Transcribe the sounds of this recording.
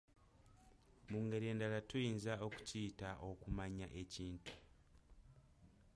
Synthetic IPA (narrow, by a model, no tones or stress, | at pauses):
muːŋɡe̞ɾie̞ːndalatujiːnzao̞ku̥ciːtaʔo̞kumaɲaʔe̞ciːntu̥